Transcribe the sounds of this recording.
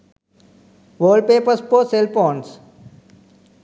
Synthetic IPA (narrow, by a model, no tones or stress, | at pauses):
ʋəːɭɖ̚peːpəɾspoːselpɔ̃ːɳs